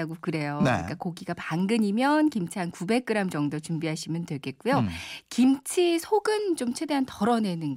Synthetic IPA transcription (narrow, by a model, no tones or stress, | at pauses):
aɡokɯɾe̞jon̰ɲik͈akoɡiɡapaŋɡɯɲimjʌnkimt͡ɕʰiɦankube̞k̚k͈ɯɾamt͡ɕʌŋdot͡ɕumbiɦaɕʰimjʌntwe̞ɭɡe̞t̚k͈ujokimt͡ɕʰisʰoɡɯnt͡ɕomt͡ɕʰwe̞de̞ɦantʌɾʌne̞nɯn